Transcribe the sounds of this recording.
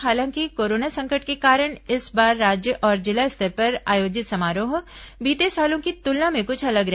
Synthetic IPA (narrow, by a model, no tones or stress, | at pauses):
ɦaːlãːŋkikoːɾoːnasɐ̃ŋkəʈkekaːɾəɽ̃ɪsbaːɾːaːd͡ʒjəʔɔːɾd͡ʒɪlaɪst̪ʰəɾpɐɾaːjoːd͡ʒɪt̪sɐmaːɾõɦoːbiːt̪esaːlõkit̪ʊlnãmẽkʊt͡ʃʰɐləɡɾɛɦ